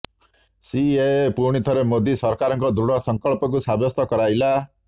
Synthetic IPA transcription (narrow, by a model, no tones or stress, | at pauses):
siepuɾɽ̃it̪ʰɔɾemod̪isɔɾkaɾɔŋkɔd̪ɾuɽɔsɔŋkɔɭpɔk̬usabjɔst̪ɔkɔɾajla